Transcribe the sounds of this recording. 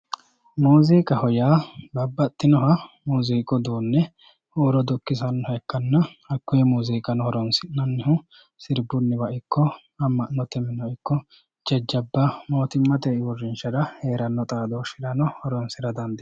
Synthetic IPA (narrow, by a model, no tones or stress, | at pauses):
muːziːkʼɐhɔjaːbɐbːɐt̪ːɪnɔɦɐmuːziːkʼɔd̪uːnːɛ | oːɾɔd̪ʊkːɪsɐnːɔhɐkːɐnːɐɐkːʊjɛmuːziːkʼɐnɔhɔɾɔnsɪnɐnːɪhʊ | sɪɾbʊnːɪbɐʔɪkːɔ | ɐmːɐnːɔt̪ɛmːɪnɔɪkːɔ | d͡ʒɛd͡ʒːɐbːɐmo̞ːt̪ɪmːɐt̪ɛːɪwɔrːɪnt͡ʃːɐd̪ɐhe̞ːɾɐnːɔt̪ʼaːd̪oʃɪɾɐnɔhɔɾɔnsɪɾɐd̪ɐnd̪ɪ